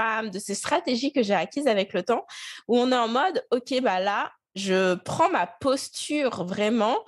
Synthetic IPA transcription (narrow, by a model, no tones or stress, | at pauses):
amd̪əsest̪χat̪eʒikəʒeakʲizavɛklət̪ɑ̃uɔ̃nɛɑ̃mɔd̪okʲebala | ʒəpχɑ̃mapɔst̪yːʁvʁɛmɑ̃